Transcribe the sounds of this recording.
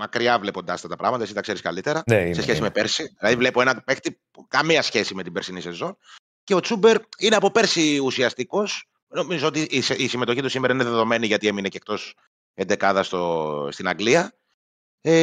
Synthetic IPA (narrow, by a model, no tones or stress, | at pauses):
mɐkɾiɐvle̞po̞nd̪ɐsɐft̪ɐt̪ɐpɾɐ̰ɣmɐt̪ɐesit̪ɐkse̞ɾiskɐ̰lit̪eɾɐnesesçesimepe̞ɾsiðilɐðivle̞po̞e̞nɐpe̞xt̪i | kɐmiɐsçe̞sime̞t̪ibeɾsinise̞zo̞n | ce̞o̞t͡sube̞ɾineɐpo̞pe̞ɾsiusiɐst̪iko̞s | no̞mizoo̞t̪iʔsisime̞t̪o̞çit̪usimeɾɐineðeðo̞me̞niʝɐt̪ieminecek̚t̪o̞s | end̪e̞kɐðɐst̪ost̪inɐŋɡliɐ | e